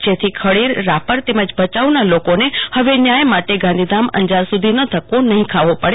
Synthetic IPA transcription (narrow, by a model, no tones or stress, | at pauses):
d͡ʒet̪ʰikʰəɽiɾːapəɾt̪eməd͡ʒbʱət͡ʃaʋnalokonehəʋenjãjmaʈeɡãnd̪ʱid̪amə̰nd͡ʒaɾsud̪ʱinət̪ʰəkʋonəɦĩkʰaʋopəɽe